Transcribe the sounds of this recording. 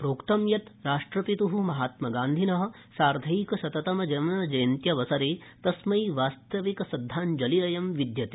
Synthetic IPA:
pɾoːkt̪ɐmjɐt̪ɾaːʂʈɾɐpit̪uɦumɐɦaːt̪mɐɡaːnd̪ʱinɐɦɐ̆ | saːɾd̪ʱɐjikɐsɐt̪ɐt̪ɐmɐd͡ʒɐmɐnɐd͡ʒɐjɐnt̪jɐʋɐsɐɾeːt̪ɐsmɐjʋaːst̪ɐʋikɐsɐd̪ʱːaːnd͡ʒɐliɾɐjɐmʋid̪jɐt̪i̥

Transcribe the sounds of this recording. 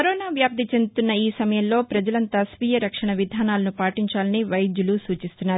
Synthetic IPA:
kɐɾoːnaːʋjaːp̚t̪it͡ʃe̞nd̪ut̪unːɐiːsɐmɐjɐmlo̞ːpɾɐd͡ʒɐlɐnt̪aːsʋiːjɐɾɐkʂɐɳɐʋid̪ʱaːnaːlɐnupaːʈiɲt͡ʃaːlɐniʋɐjɐd͡ʒ̪julusuːt͡ʃist̪unːaːɾu

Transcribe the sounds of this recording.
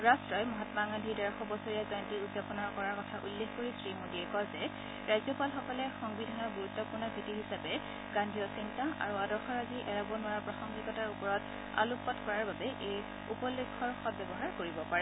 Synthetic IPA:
ɹastɹɔjmɔɦatmaŋadʱidaɹaxɔbɔsɔɹijazɔjntiudzapɔnɔɹkɔɹaɹkɔtʰaʔulːexkoɹisɹimodiɛkɔzɛ | ɹajzɔpalxɔkɔlɛxɔŋbidʱanɔɹbuɹutːɔpuɹnɔbʱitiɦisapɛ | ɡandʱijɔsintaʔa̰ɹuadɔɹxɔɹaziʔɛɹabɔnʊaɹpɹaxɔŋɡikɔtaɹupɔɹɔt | a̰lupːɔtkɔɹaɹbabɛʔej | upɔlːekʰːɔɹxɔt̚bjɛbɔɦaɹkoɹibɔpaɹɛ

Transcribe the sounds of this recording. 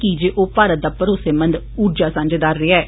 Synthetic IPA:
kid͡ʒeːʔoːpaːɾət̪̚d̪aːpəɾoseːmə̃nd̪ | uːɾd͡ʒaːsãːnd͡ʒed̪aːɾɾɪːaɛː

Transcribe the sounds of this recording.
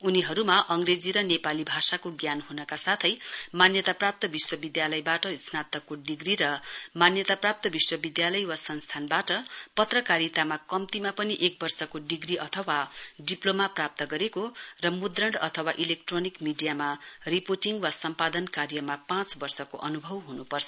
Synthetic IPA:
uniɦʌɾumaʔʌŋred͡ziɾʌnepalibʱasakoɡjanɦunʌkasat̪ʰʌjmanjʌt̪aprap̚t̪ʌbiswʌbid̪jalʌjbaʈʌisnat̪ʌkːoɖiɡriɾʌmanjʌt̪aprap̚t̪ʌbiswʌbid̪jalʌjwasʌnst̪ʰanbaʈʌpʌt̪rʌkaɾit̪amakʌmt̪imapʌniʔek̚bʌrsʌkoɖiɡriʔʌt̪ʰʌwaɖiplomaprap̚t̪ʌɡʌɾekorʌmud̪rʌɳɖʌt̪ʰʌwaʔilek̚ʈronikmiɖijamaripoʈiŋɡwasʌmpad̪ʌnkaɾjʌmapãt͡sbʌrsʌko̰ʔʌnubʱʌwɦunupʌrt͡sʰʌ

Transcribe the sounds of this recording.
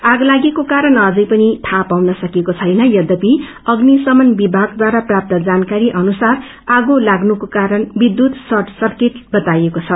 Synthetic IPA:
aɡlaɡekokaɾʌnʌd͡zʌjpʌnit̪ʰapawnʌsʌkekot͡sʰʌjnʌjʌd̪ʌpi | ʌɡnisʌmʌnbibʱaɡd̪waɾaprap̚t̪ʌd͡zankaɾiʔʌnusar | aɡolaɡnukokaɾʌnbid̪ːjut̪sʌrʈsʌrkeʈbʌt̪ajekot͡sʰʌ

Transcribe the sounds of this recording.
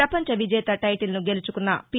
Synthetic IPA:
ɐpɐɲt͡ʃɐʋid͡ʒɛːt̪ɐʈɐjʈilnuɡe̞lut͡ʃukunːɐ̰pi

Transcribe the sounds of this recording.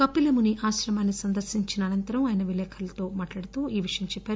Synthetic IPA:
kɐpːilɐmuniʔaːʃɾɐmaːnːisɐnd̪ɐɾsiɲt͡ʃinɐːnɐnt̪ɐɾɐmaːjnɐʋilɛːkʰɐlɐt̪o̞ːmaːʈlaːɽit̪oːʔiːʋiʂɐjɐmt͡ʃɛpːaːɾu

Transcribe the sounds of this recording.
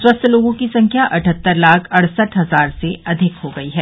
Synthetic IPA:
swɐst̪ʰloːɡõkisɐ̃ŋkʰjaʔɐʈʰət̪ːəɾlaːkʰɐɽ̤səʈɦɐzaːɾseʔɐd̪ʱɪkɦoɡɐiɦɛː

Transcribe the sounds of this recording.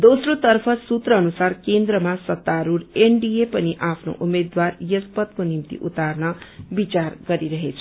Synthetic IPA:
d̪osrot̪ʌrpʰʌsut̪rʌːnusarkend̪ɾʌmasʌt̪ːaɾuɾeɳɖiepʌniʔapʰno̰ʔumed̪warjʌspʌt̪̚konimt̪ḭʔṵt̪arnʌbit͡sarɡʌɾiɾʌɦet͡sʰʌ

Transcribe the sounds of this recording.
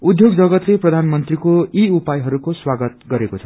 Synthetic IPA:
ud̪ʱjoɡd͡zʌɡʌt̪leprʌd̪ʱanmʌnt̪rikoiupajɦʌɾukoswaɡʌt̪̚ɡʌɾekot͡sʰʌ̥

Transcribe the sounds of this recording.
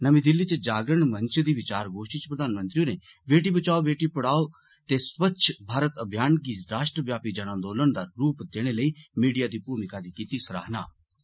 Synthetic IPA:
nɐmĩd̪ɪlːit͡ʃed͡ʒaːɡɾəɳ̃mɐ̃ɲt͡ʃd̪iʋɪt͡ʃaːɾɡoːʃʈit͡ʃpɾəd̪aːnmə̃nt̪ɾiune | ʋeːʈibɐt͡ʃaːobeːʈipɐɽaːo | t̪esʋətːʃʰbʱaːɾət̪ɐbʱjaːnɡiɾaːʃʈɾəʋjaːpid͡ʒɐɽ̃ãnd̪oːlənd̪aɾuːpd̪eːɽ̃eləiːmiːɖijad̪ipuːɾmɪkad̪ikiːt̪isɐɾa̰ːɦna̰ː

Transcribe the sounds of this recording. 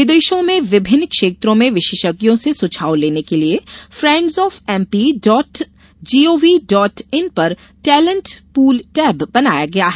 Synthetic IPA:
ʋɪd̪eːʃõmẽʋɪbʱɪnːkʃeːt̪ɾõmẽʋɪʃeːʃəkjõsesʊt͡ʃʰaːwleːnekeliefɾɛ̃ːɳɖzɔːfɛ̃ːmpiɖɔːʈ | d͡ʒiːoːʋiɖɔːʈɪnpɐɾ | ʈɛːlə̃ɳʈpuːlʈɛːbbɐnaːjaɡɐjaɦɛ

